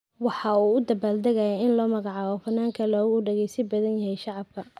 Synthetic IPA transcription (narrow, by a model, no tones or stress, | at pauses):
wɑħɑuːʊd̪ɐbaːld̪ɐɣɐjɛɪnlɔːmɐɣɑʕɑːβɔfɐnːaːŋkʰɐlɔːɣʊɖɛɣɛjsɪbɐðɐnjɐɦɛjʃɑʕɑb̚kʰɐ